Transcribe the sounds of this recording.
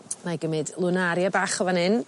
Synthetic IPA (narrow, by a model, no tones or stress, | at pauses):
najɡəmɪdlˠʊnaɾjabaːχɔvanɪn